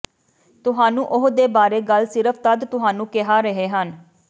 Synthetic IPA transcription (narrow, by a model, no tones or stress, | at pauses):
t̪ʊɦaːnũːʔʊɦd̪eːbaːɾeːɡəlsɪɾəpʰt̪əd̪t̪ʊɦaːnũːkɪɦaːɾəɦeːɦən